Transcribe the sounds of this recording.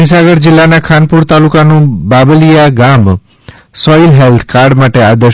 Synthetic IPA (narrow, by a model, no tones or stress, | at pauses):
is̬aɡəɾd͡ʒɪlːanakʰanpuɾt̪alukanũbabəlijaɡam | sɔilɦelt̪ʰkaɾɖmaʈead̪ə